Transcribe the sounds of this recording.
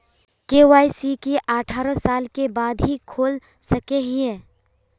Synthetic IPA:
keːʋaːisikiʔaːʈʰaːɾə̃saːlkebaːd̪ɦikʰoːl | səkeɦĩɛ̃ː

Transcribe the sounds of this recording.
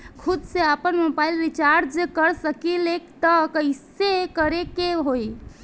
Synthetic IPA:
kʰud̪seəpənmobailʋit͡ʃaɾd͡ʒekəɾsəkilekt̪əkəisekəɾekeɦoj

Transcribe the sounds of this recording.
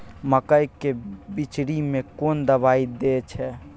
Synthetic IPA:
məkəjkebit͡ʃɽimekond̪əbaid̪et͡ʃʰɛ

